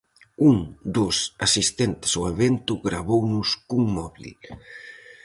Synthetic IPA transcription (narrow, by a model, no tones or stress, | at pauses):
uŋd̪osasist̪ent̪ɪ̥soeβent̪ʊɣɾaβownʊskuŋmɔβlḭ